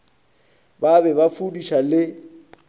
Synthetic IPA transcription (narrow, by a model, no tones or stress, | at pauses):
babɛβafudiʃalɪ